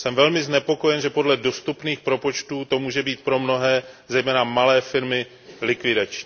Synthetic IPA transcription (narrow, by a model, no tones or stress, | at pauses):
sɛmvɛlmɪznɛpo̞ko̞jɛnʒɛpo̞dlɛdo̞st̪upniːxpɾo̞po̞t͡ʃt̪uːt̪o̞muːʒɛbiːt̪̚pɾo̞mno̞ɦɛːzɛjmɛːnamalɛːfɪɾmɪ | lɪkvɪdat͡ʃɲi